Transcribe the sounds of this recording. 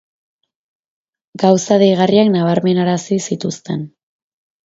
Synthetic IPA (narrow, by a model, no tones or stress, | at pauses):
ɡawsaðejɣariaknaβ̞aɾme̞naɾasisit̪ust̪e̞̰n